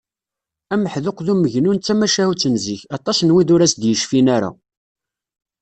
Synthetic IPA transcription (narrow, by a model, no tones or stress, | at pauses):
æməħðʊqðuməʝnunt͡sːæmæʃæhut͡sːənziçɑt̪ˤɑsnwid̪ʊɾæsd̪jəʃfinæɾa̰